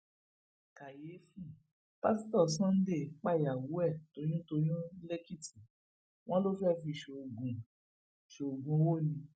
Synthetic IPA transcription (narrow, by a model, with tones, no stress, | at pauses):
ka˨je˨˦fũ˦˨ | pa˦si˦tɔ˦˨sã˦n̩˦de˦˨k͡pa˦˨ja˨wu˨˦ɛ˦˨to˨˧˦j̃ũ˦to˧jũ˦le˦ki˦tʰi˨ | w̃ɔ̃˦lo˦fɛ˦fĩ˧i˨ʃe˨o˨ɡũ˨ | ʃe˨o˨ɡũ˨˦wo˦˨nĩ˧